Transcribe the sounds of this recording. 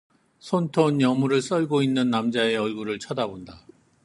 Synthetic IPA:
sʰontʰonjʌmuɾɯɭs͈ʌɭɡoinːɯnːamd͡ʑae̞ʌɭɡuɾɯɭt͡ɕʰadabonda

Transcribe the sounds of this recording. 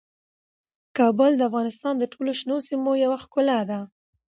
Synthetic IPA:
kɑbəld̪əafɣɑnɪst̪ɑnd̪əʈʰoloʃnosimojawaxkʊlad̪a

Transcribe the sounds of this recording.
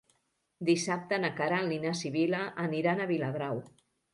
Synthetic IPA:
d̪isap̚t̪ənakaɾalinasiβilaʔːniɾanaβilaβɾaw

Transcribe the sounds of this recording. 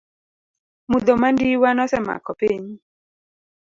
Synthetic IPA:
mud̪omandiwanɔsɛma̰kɔpeɲi

